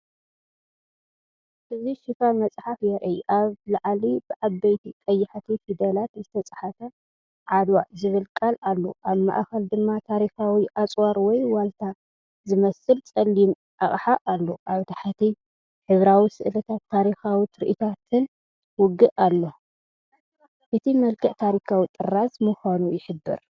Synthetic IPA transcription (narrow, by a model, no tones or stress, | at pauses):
ʔɨziʃɪfamɐt͡sʼħafjɛɾʔɐjʔaβlaʕlibɨʔaβbɐjt̪ʰikʼɐjːɪħt̪ʰifid̪ɐlat̪zɨt̪ʰɐt͡sʼḁħafɐ | ʕad̪wazɨβɨlkʼalalːo̰ʔaβma̰ʔxɐld̪ɨmːat̪ʰaɾixawiʔat͡sʼwaɾwɔjwalt̪ʰa | zɨmɐsɨlt͡sʼɐlːim | ʔaχʼħaʔalːoʔaβt̪ʰḁħat̪ʰi | ħɨβɾawisɨʔlɐt̪ʰat̪ʰːaɾixawit̪ɾiʔit̪ʰat̪ʰɨn | wʊɡɨʔalːo | ʔɨt̪ʰimɐlkʰɐʔt̪ʰaɾikʰawit̪ʼɨrasmɨxanujɪħɨbːɨ̰ɾ